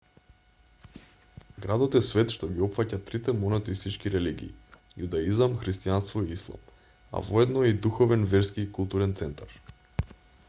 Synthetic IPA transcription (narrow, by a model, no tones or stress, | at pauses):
ɡɾad̪ot̪ɛsvɛt̪ʃt̪oɡiɔpfacat̪ɾit̪ɛmonat̪ɛist̪it͡ʃkiɾɛliɡʲḭː | jud̪aizamxɾist̪ijanst̪vɔiislˠa̰m | a̰voɛd̪nɔid̪uxovɛnvɛɾskiːkulˠt̪uɾɛnt̪sɛnt̪aɾ